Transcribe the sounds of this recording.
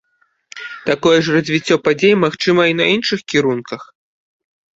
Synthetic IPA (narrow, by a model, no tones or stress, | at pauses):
t̪akɔjɛʐrɐzʲvʲit͡sʲːɔpad͡zʲejmaxt͡ʂɨmɐinɐinʂɨxkʲiɾunkɐx